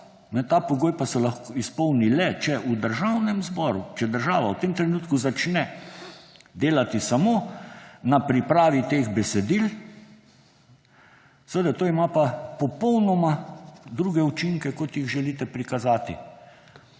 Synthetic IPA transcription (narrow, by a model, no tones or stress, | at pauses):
nɛt̪aːpɔɡoːjpasɛlaxkoispɔwnilɛt͡ʃɛʔud̪əɾʒawnɛmzbɔɾut͡ʃɛd̪əɾʒaːʋawt̪eːmt̪ɾɛnuːt̪kuzat͡ʃnɛ | d̪eːlat̪isamonapɾipɾaːʋit̪eːɣbɛsɛd̪il | səʋed̪at̪oːimapapɔpɔwnɔmad̪ɾuːɡɛut͡ʃiŋkɛkɔt̪jiɣʒɛlit̪ɛpɾikazaːt̪ḭ